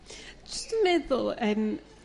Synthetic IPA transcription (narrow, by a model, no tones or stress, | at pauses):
d̥ʒ̥ʌstmɪdl̩ˠɨ̃n